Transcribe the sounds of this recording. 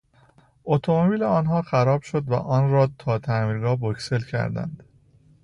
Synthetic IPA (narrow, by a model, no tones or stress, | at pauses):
ʔot̪ʰomobiːleɒːnɦɒːxæɾɒːbʃo̞d̪væ̰ʔɒːnɾɒːt̪ʰɒːt̪ʰæmiːɾɡɒːbocse̞lcʰæ̰ɾd̪æ̰nd̪̥